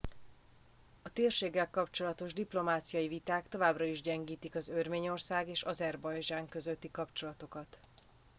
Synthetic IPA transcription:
ɒt̪eːrʃeːɡːɛlkɒpt͡ʃo̞lɒt̪o̞ʒd̪iplo̞maːt̪sijɒjivit̪aːkt̪o̞vaːbrɒiʒɟɛŋɡiːt̪ikɒzørmeːɲo̞rsaːɡeːʃɒzɛrbɒjd͡ʒaːŋkø̞zøt̪ːikɒpt͡ʃo̞lɒt̪o̞kɒt̪

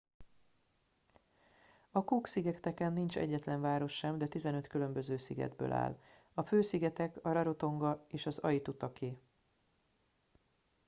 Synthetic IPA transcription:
ɒkuːksiɡɛkt̪ɛkɛnːint͡ʃɛ̰ɟːɛt̪lɛɱvaːɾo̞ʃːɛmd̪ɛt̪izɛnø̞t̪kylø̞mbø̞zøːsiɡɛ̰d̪bø̰ːlʔa̰ːl | ɒføːsiɡɛt̪ɛkɒɾɒɾo̞t̪o̞ŋɡɒeːʃɒzɒ̰jit̪ut̪ɒkʰeː

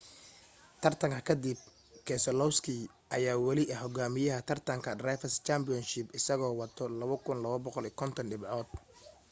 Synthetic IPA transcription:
t̪ʰɐrt̪ʰɐŋkʰɐkʰɐd̪ib̚ | kʰɛːsɔlɔwskʰi | ʔɐjaːwɑlɪʔɐħɔɡaːmɪjɐɦɐt̪ʰɐrt̪ʰɐŋkʰɐd̪raːjfɐst͡ʃaːmbɪjɔnʃɪbɪsɐɣɔːwɑt̪ʰɔlɐβɐkʰʊnlɐβɐbɔqɔliːkʰɔnt̪ʰɐnɖɪbʕɔːd̪̚

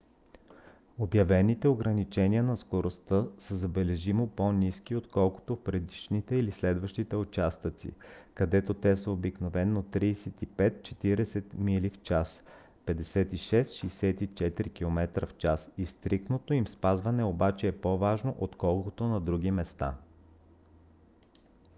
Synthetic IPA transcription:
objɐvɛnit̪ɛoɡɾɐnit͡ʃɛniənɐskoɾost̪əsəzɐbɛlɛʒimoponiskiot̪kɔlˠko̥t̪ofpɾɛd̪iʃnit̪ɛilislɛd̪vəʃt̪it̪ɛʊt͡ʃast̪ət̪sḭkɐd̪ɛt̪ot̪ɛsəobiknovɛnːot̪ɾiːsɛt̪ipɛt̪̚t͡ʃɛt̪iɾɛsɛt̪milift͡ʃas | pɛd̪ɛsɛt̪iʃɛst̪ʃijsɛt̪it͡ʃɛt̪ɾikʲilˠomɛt̪ɾə̰ft͡ʃasist̪ɾik̚t̪not̪oimspazvɐnɛobat͡ʃɛːpovaʒnoʔot̪kɔlˠkot̪onɐd̪ɾuɡ̟imɛst̪a̰

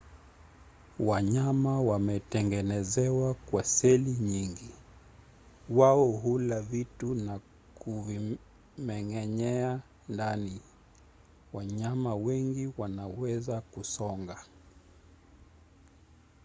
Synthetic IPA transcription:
waɲamawamɛtɛŋɡɛnɛzɛwakwasɛliɲiŋɡi | waɔɦulavituna | kuvi | mɛŋɛɲɛa | ndani | waɲamawɛŋɡiwanawɛzakusɔŋɡa

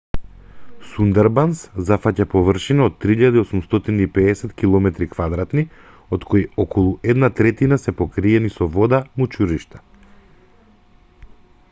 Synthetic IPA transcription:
sund̪ɛɾbanszafacapɔvrʃinaot̪ːɾiiʎad̪aiosumst̪ɔt̪iniːpɛːsɛt̪kilˠɔmɛt̪ɾikvad̪ɾat̪ni | ot̪kʰojɔkʰɔlˠuʔɛd̪nat̪ɾɛt̪inasɛpɔkɾiɛnisɔvɔd̪amut͡ʃuɾiʃt̪ḁ

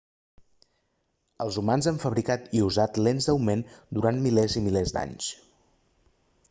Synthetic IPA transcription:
əlˠzumanzaɱfəβɾikat̪iuzat̪lenzd̪əwmend̪uɾant̪milɛzimilɛzd̪a̰ɲs

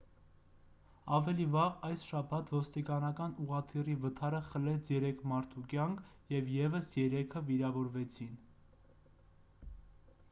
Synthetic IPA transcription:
ɑvɛlivɑʁɑjsʃɑpʰɑt̪ʰvɔst̪ikɑnɑkɑnuʁɑt̪ʰirivət̪ʰɑɾəχəlɛt͡sʰjɛɾɛkʰmɑɾt̪ʰukjɑŋkʰ | jɛvjɛvəsjɛɾɛkʰəviɾɑvɔɾvɛt͡sʰin

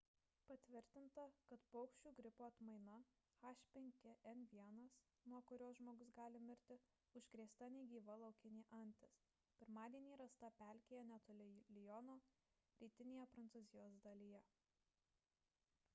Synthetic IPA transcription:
pɐt̪ʲʋʲɪɾʲt̪ʲɪnt̪ɐkɐt̪pɔʊkʃʲt͡ʃʲuːɡɾʲɪpoːɐt̪mɐɪnɐ | xɑːʃʲpʲɛŋʲkʲeʔɛnʋʲiɛnɐs | nuɔkʊɾʲoːsʒmoːɡʊsɡɑːlʲɪmʲɪɾʲt̪ʲɪ | ʊʃʲkɾʲeːst̪ɐnʲɛɡʲiːʋɐlˠɐʊkʲɪnʲiːʔɐnʲt̪ʲɪs | pʲɪɾmɑːd̪ʲiɛnʲiːɾɐst̪ɐpʲæˑlʲkʲeːjɛnʲɛt̪ɔːlʲɪlʲɪjɔnoː | ɾʲiːt̪ʲɪnʲeːjɛpɾɐnt̪suːzʲɪjoːsd̪ɐlʲijɛ

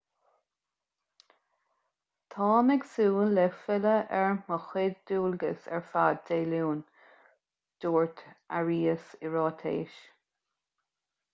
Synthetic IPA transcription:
t̪ʰɑːmɪɡsuːnlɛfɪləʔɛɹməxɪd̚d̪uːlɡə̰sɛ̰ɹfaːd̚deːluːn | d̪̥uːɹt̪ʰaɹiːəsɪɹɔːt̪ʰḛːʃ

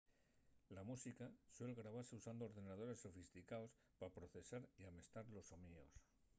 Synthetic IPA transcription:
lamusikaswe̞lɣɾaβ̞aɾse̞usand̪oːɾðe̞nað̞o̞ɾe̞sːo̞fist̪ikaos | papɾo̞θe̞saɾiame̞st̪aɾlo̞so̞mio̞s

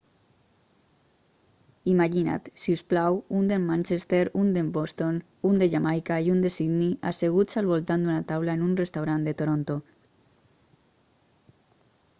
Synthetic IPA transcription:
imaʒina̰t̪siusplawund̪emːãnʲt͡ʃest̪eɾund̪embost̪on | und̪eʎamajkaiund̪esid̪niʔa̰seɣ̞usalβolt̪and̪unat̪awlaenunrest̪awɾand̪et̪oɾont̪o

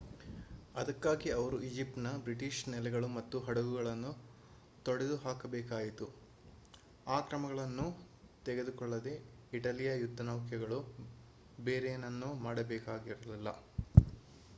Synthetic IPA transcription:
ɐd̪ɐkːaːɡiɐʋɐɾuʔid͡ʒip̚ʈnɐbɾiʈiʃnɛlɛɡɐɭumɐt̪ːuɦɐɽɐɡuɡɐɭɐnːu | t̪oɽed̪uɦaːkɐbɛːkaːjit̪u | aːkɾɐmɐɡɐɭɐnːu | t̪ɛɡed̪ukɔɭːɐd̪e̞ | iʈɐlijɐjud̪ʱːɐnɐʋkʰjɐɡɐɭu | beːɾenɐnːumaːɽɐbɛːkaːɡiɾɐlilːɐ

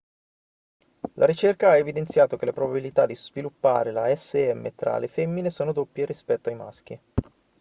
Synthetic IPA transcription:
lʔaɾit͡ʃerkaaevid̪ent̪sjaːt̪okelepɾobabilit̪ad̪ːizvilupːa̰ːɾelaɛsːeɛmːḛt̪ɾa̰lefɛmːinesoːnod̪opːjeɾispɛt̪ːoajma̰sk̟i

